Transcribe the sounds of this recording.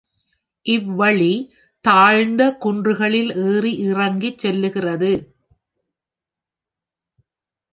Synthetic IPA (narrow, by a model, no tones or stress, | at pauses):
ʔɪʋːɐɭi | t̪aːɻnd̪ɐkʊndrɯɣɐɭɪleːriʔɪrɐŋɡit͡ʃːɛlːɯɣɪrɐðɯ